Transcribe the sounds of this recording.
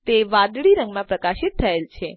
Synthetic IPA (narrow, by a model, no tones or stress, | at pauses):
t̪eʋãd̪ɭiɾəŋɡmãpɾəkaʃɪt̪ʰːəelt͡ʃʰe